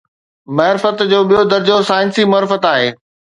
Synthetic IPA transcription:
mɐɦɾɪfət̪d͡ʑoːɓijod̪ɐɾd͡ʑosaːɪnsimʊɾɪfət̪aːɦeː

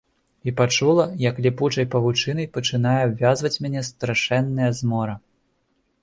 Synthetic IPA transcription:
ipat͡ʂulˠɐjɐklʲiput͡ʂɐjpɐvut͡ʂɨnɨjpɐt͡ʂɨnajɛbvʲazvɐt͡sʲmʲanʲɛst̪ɾaʂɛnːɐjɐzmɔɾɐ

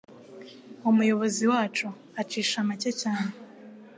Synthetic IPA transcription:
umujo̞βo̞ziwaːt͡ʃu | at͡ʃiːʃamacecaːne

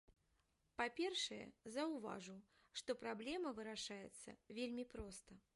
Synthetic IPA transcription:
papʲɛrʂɨjɛ̰zɐwva̰ʐu | ʂt̪ɔpɾablʲɛmɐvɨɾaʂajɛ̰t̪sːɐ̰vʲelʲmʲipɾɔst̪ɐ

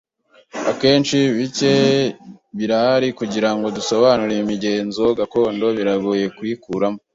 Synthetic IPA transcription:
ake̞ːnt͡ʃiβice̞ | βiɾaɾikuɟiɾaŋɡo̞duso̞βanuɾeimiɟe̞ːnzoɡako̞ːndo̞βiɾaɡoje̞kwikuɾamo

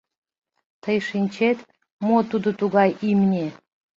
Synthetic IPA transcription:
t̪əjʃinʲt͡ɕet̪ | mot̪ud̪ot̪uɣɑjʔimnʲe

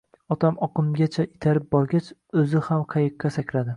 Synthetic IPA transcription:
ɒt̪ʰamɒqɨmɡʲat͡ʃʰaʔɪt̪ʰaɾɪp̚bɒɾɡʲat͡ʃɵzɪhamqʰɑjɨqʰːɑsakʲlad̪ɪ

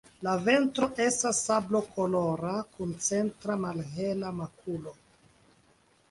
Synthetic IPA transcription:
lave̞ntɾo̞ʔe̞stasablo̞kʰo̞lo̞ɾakunt͡se̞ntɾamalɦe̞lamakulo̞

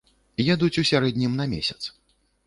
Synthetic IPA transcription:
jad̪ut͡sʲusʲaɾɛd̪ʲnʲimnɐmʲḛsʲɐ̥t̪s

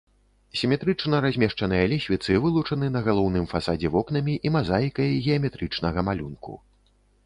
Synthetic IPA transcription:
sʲimʲɛt̪ɾɨt͡ʂnɐɾazʲmʲɛʂt͡ʂɐnɨjɐlʲisʲvʲit̪sɨvɨlˠut͡ʂɐnɨnɐɣalˠɔwn̪ɨmfasad͡zʲɛvɔkn̪ɐmʲiʔimazajkɐjɣʲɛɐmʲɛt̪ɾɨt͡ʂnɐɣɐmalʲunkṵ

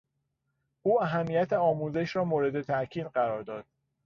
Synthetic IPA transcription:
ʔuːæɦæmːijæt̪ʰeɒːmuːze̞ʃɾɒːmoːɾe̞d̪e̞t̪ʰæʔcʰiːd̪ɢæɾɒːɾd̪ɒːd̪̥̚

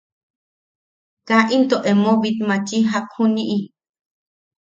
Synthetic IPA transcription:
kaʔint̪oʔemoβit̪mãt͡ʃiɦak̚huniʔi

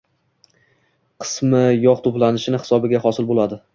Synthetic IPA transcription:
qʰɨ̥smɪjɒqt̪ʰoplanɪʃɪnɪhɪ̥sɒbɪɡʲahɒsɪlbolad̪ɪ

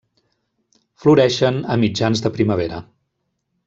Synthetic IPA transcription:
fluɾɛʃənəmid͡ʒanzðəpɾiməβ̞eɾə̰

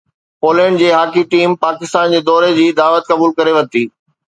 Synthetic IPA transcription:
poːlɛ̃ːɳɖd͡ʑeːɦaːkiʈiːmpaːkɪst̪aːnd͡ʑeːd̪ɔːɾed͡ʑiːd̪aːʋət̪̚kɐbuːlkɐɾeʋɐ̃nt̪iː

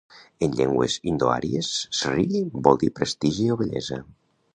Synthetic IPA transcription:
eɲʎɛŋɡwḛzind̪oa̰ɾiesːeriʎibɔlˠd̪ipɾest̪iʒioβeʎɛ̰za

